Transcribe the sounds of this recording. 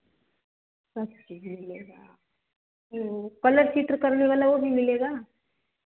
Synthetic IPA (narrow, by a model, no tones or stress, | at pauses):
sɐb̚t͡ʃiːd͡ʒmɪleːɡaː | okɐləɾt͡ʃit̪ɾəkɐɾneʋaːlaʋobʱimɪleːɡaː